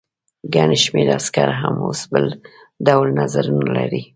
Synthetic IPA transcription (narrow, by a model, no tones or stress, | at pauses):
ɡaneʃmeɾaskaɾaɦamosbəl | d̪awlnazaɾunalaɾi